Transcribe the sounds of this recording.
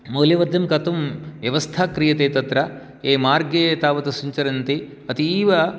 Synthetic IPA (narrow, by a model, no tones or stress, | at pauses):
moːljɐʋɐd̪ʱjɐmkɐt̪umʋjɐʋɐst̪ʰaːkɾijɐt̪eːt̪ɐt̪ɾɐ | eːmaːɾɡeːt̪aːʋɐt̪ɐsuɲt͡ʃɐɾɐnt̪i | ɐt̪iːʋɐ